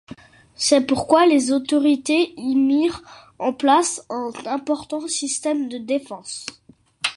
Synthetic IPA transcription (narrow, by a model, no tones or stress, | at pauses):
sɛpuʁkwalezot̪ɔʁit̪eimiʁ | ɑ̃plasɛ̃nɛ̃pɔʁt̪ɑ̃sist̪ɛmd̪əd̪efɑ̃s